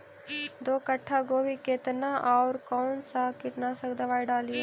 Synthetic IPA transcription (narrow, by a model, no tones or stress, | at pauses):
d̪oːkəʈʰːakobʱikeːt̪naʔɔːɾkɔːnsakɪʈnasɐkd̪ɐʋaːiɖaːlie